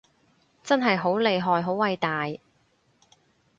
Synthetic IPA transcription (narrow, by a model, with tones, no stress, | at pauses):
t͡sɐ˥nɦɐ˨jɦo˨˥wle˨˧jɦɔː˨˧jɦo˨˥wɐ˨˧jt̪aː˨j